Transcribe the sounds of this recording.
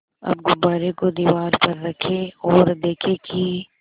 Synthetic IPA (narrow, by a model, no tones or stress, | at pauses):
ɐ̰bɡʊbaːɾekod̪iːʋaːɾpɐɾːɐkʰeɔːɾd̪eːkʰeki